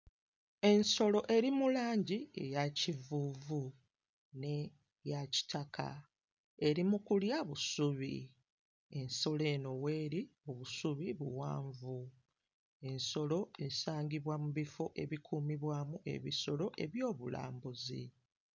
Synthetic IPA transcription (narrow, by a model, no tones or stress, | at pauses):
e̞nso̞lo̞ʔe̞ɾimulaːɲɟie̞jacivuːvu | ne | jaci̥tʰakʰa̰ | e̞ɾimukuljaβusuβḭ | e̞nso̞le̞no̞we̞ːɾioβusuβiβuwaːɱvu | e̞nso̞lo̞e̞saːɲɡiβwamuβifo̞ʔe̞βikʰuːmiβwaːmuʔe̞̰βiso̞lo̞ʔe̞βjo̞ːβula̰ːmbuzḭ